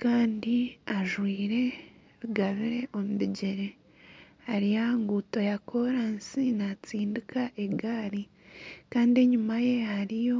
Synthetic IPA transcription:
kaːndiaʒwiːɾe̞ | ɾuɡaβiɾe̞ʔomuβiɟeɾe̞ | haɾijaŋɡuto̞jakʰo̞ɾansinat͡siːndikʰaʔeɡaːɾi | kaːndieɲumaje̞haɾijo̞

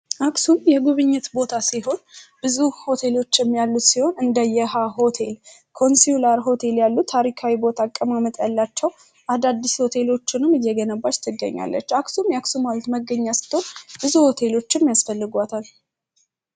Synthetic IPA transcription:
ʔaksumjɛɡuβɨɲːɪt̪bo̞t̪ʰasiɦo̞nb̥ɨzuho̞t̪ʰe̞lo̞t͡ʃːɪmjalːut̪siho̞nɨnd̪əjɛɦaɦo̞t̪ʰe̞l | kʰo̞nsulaɾɦo̞t̪ʰe̞ljalːut̪ʰːaɾikʰawibo̞t̪ʰakʼːəmamət̪ʼjalːat͡ʃːɛw | ʔad̪ad̪ːisho̞t̪ʰe̞lo̞t͡ʃːɪnɨmɨjːɛɡənəbːat͡ʃt̪ʰɨɡə̰ɲːa̰lːə̰t͡ʃːaksumjɛaksumalt̪məɡːəɲːasɨ̥t̪ːhonb̥ɨzuho̞t̪ʰe̞lo̞t͡ʃːɪmjasfəlːɨɡʷat̪ʰal

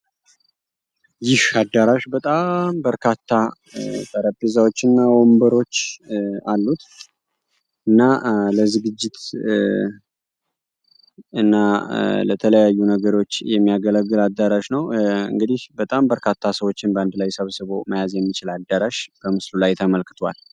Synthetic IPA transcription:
jɪhad̪ːaɾaʃbət̪ʼambəɾkʰat̪ʰːa | t̪ʼəɾəpʼːizawo̞t͡ʃːɨnːawombəɾo̞t͡ʃːalːut̪ | ʔɨnːaləzɨɡɨd͡ʒːɪt̪ | ɨnːalət̪ʰələjajːunəɡəɾo̞t͡ʃːjɛmːijaɡələɡːɨlad̪ːaɾaʃnəwɨ̰ŋɡɨd̪ɪhbət̪ʼambəɾkʰat̪ʰːasəwo̞t͡ʃːɪnbəand̪lajsəβsɨβoməjazjɛmːit͡ʃɪlad̪ːaɾaʃb̥əmɨslulajt̪ʰəməlkɨ̥t̪ʰoa̰l

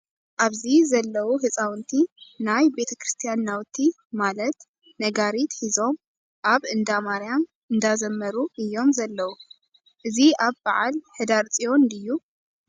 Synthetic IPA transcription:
ʔaβzizɐlːɐwuhɨt͡sʼawɨnt̪ʰinajbe̞t̪ʰɐkɾɨst̪ʰijanːawt̪ʰːi | malɐt̪ | nɐɡaɾit̪hizo̞m | ʔaβɨnd̪amaɾjam | ɨnd̪azɐmːɐɾuʔɨjːo̞mzɐlːɐwu | ʔɨziaβbaʕa̰lħɨd̪aɾt͡sʼijo̞nd̪ɨjːu

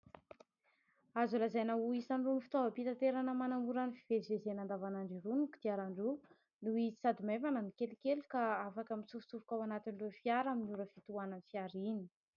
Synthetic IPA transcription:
azulazajnauisaɳɖ͡ʐunifi̥t̪ovəpit̪at̪eɾanəmanamuɾanifiv̥evezenand̪avanaɳɖ͡ʐiɾunuku̥d̪̥iaɾaɳɖ͡ʐu | nuizi̥sad̪imevananikelikelukaafakəmit͡suvu̥t͡suvu̥kawanat̪inrefiaɾaminiuɾəfit̪uananifiaɾini̥

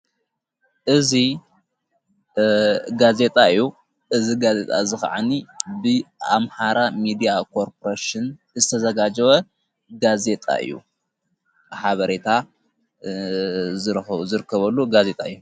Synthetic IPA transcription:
ʔɨzi | ɡaze̞t̪ʼaɨjːu | ʔɨziɡaze̞t̪ʼa̰zɨxʕanibɨamħaɾamid̪ijakʰo̞ɾpʰoɾaʃɨn | zɨt̪ʰɐzɐɡad͡ʒɐwɐ | ɡaze̞t̪ʼa̰ʔɨ̰jːṵ | ħaβɐɾet̪ʰa | zɨɾzɨɾɨkːɐβɐlːuɡaze̞t̪ʼa̰ɨjːu

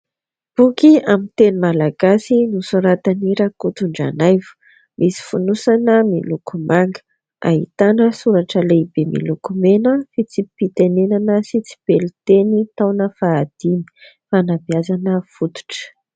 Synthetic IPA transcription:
b̥ukiamint̪enimalaɡ̥asinusuɾat̪aniɾakut̪uɳɖ͡ʐa̰najvu̥ | misi̥funusanəmilukumaŋɡə̥ | a̰ɦḭt̪anəsuɾaʈ͡ʂəlebemḭlukumenəfit͡sipit̪enenanəsit͡si̥belit̪enit̪awnəfaːd̪̥ini̥ | fanabiazanəfut̪u̥ʈ͡ʂə̥

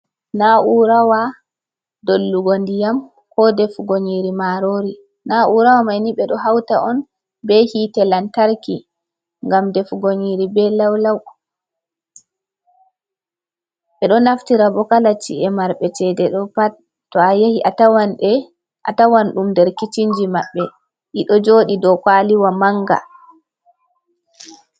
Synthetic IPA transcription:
naʔuɾawa | dolːuɡondijam | kɔdɛfɡoɲiɾimaɾoɾi | naʔuɾawamajniɓɛɗɔɦawta̰ʔɔn | bɛhitɛlantaɾki | ŋɡamdɛfɡoɲiɾibɛlawlaw | ɓɛɗɔnaftiɾabɔkalat͡ʃḭɛmaɾɓɛt͡ʃɛdɛɗɔpa | tːɔajahiʔatawanɛ | ʔa̰tawanɗumdɛɾkit͡ʃind͡ʒimaɓːɛ | ʔiɗɔd͡ʒoːɗidɔkaliwamaŋɡa̰

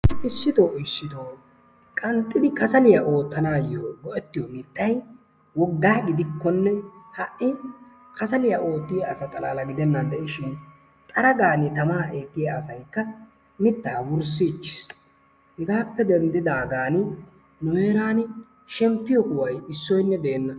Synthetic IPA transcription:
ʔɪʃːɪt̪oːɪʃːɪt̪oː | kʼɐnt̪ʼːɪd̪ɪkɐsɐlɪjaʔo̞ːt̪ːɐnaːjːoːɡɔʔɛt̪ːɪjɔmɪt̪ːɐj | wɔɡːaːɡɪd̪ɪkːɔnːɛhɐʔɪ | kɐsɐlɪjaʔo̞ːt̪ːɪjaɐsɐt̪ʼɐla̰ːlɐɡɪd̪ɛnːɐnd̪ɛʔɪʃɪn | t̪ʼɐɾɐɡaːnɪt̪ɐmaːʔe̞ːt̪ːɪjaːsɐjkːɐ | mɪt̪ːaːwʊɾs̬it͡ʃːɪ̥s | hɛɡaːpːɛd̪ɛnd̪ɪd̪aːɡaːn | nɔjeːɾaːnɪ | ʃɛmpːɪjɔkʊwɐjɪsːɔjnːɛd̪eːnːɐ

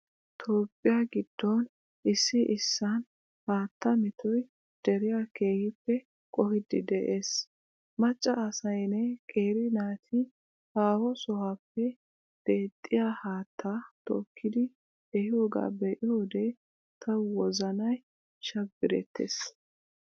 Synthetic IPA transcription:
t̪ʰoːpʼːɪjaɡɪd̪̥ːɔn | ʔɪsːɪʔɪsːɐn | haːt̪ːɐmɪt̪ʰɔj | d̪̥ɛɾɪjaːke̞ːhɪpːɛ | kʼɔhɪd̪ɪd̪ɛʔeːs | mɐt͡ʃʼːɐɐsɐjnɛkʼeːɾɪnaːt̪ʰɪ | haːwɔsɔhapːɛ | d̪̥e̞ːt̪ʼːɪjaːhaːt̪ʰːaːt̪ɔ̰kʰːɪd̪ɪ | ɛhɪjoːɡa̰ːbɛʔɪjoːd̪e | t̪ʰɐwwɔzɐnɐj | ʃɐbːɪɾɛ̰t̪ʰːḛːs

